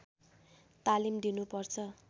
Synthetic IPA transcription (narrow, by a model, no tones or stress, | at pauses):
t̪alimd̪inupʌrt͡sʰʌ